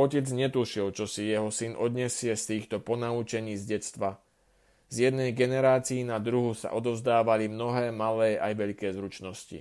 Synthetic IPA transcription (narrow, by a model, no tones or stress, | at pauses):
ɔcɛd͡zɲɛt̪uʃilt͡ʃɔsijɛɦɔsinʔɔd̪ɲɛsɪɛst̪iːxt̪ɔpɔnaut͡ʃɛɲiːzɟɛt͡st̪ʋa | zjɛd̪nɛjɡɛnɛɾaːt͡siːnad̪ɾuɦusa̰ʔɔd̪ɔʊzd̪aːʋalimnɔɦɛːmalɛːʔajʋɛʎkɛːzɾut͡ʃnɔscḭ